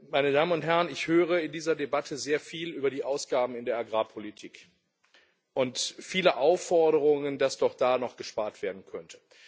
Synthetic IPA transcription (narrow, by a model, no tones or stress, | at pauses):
maɪnədaːmənʊnthɦɛʁənɪçhøːʁ̞əɪndiːzɐdebatʰəzeːɐfiːlʔyːbɐdiːʔaʊsɡ̥aːbm̩ɪndeːɐʔaɡʁaːpʰolitʰiːk | ʔʊntfiːləʔaʊfɔɐɾəʁʊŋəndasd̥ɔχd̥aːnɔχɡ̥əʃpaːɐtv̥eːɐdn̩kʰœntʰə̥